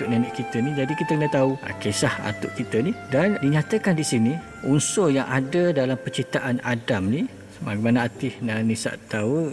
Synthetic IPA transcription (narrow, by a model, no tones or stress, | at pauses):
ʊʔ̚nanɛʔkit̪ənid͡ʒadikit̪əkənət̪aua̰kesaha̰t̪ʊʔkit̪ənidandiɲat̪əkandisini | unsojaŋʔadədalampərt͡ʃit̪aʔanadamni | maɾimanaat̪ɪhnanisa̰ʔt̪au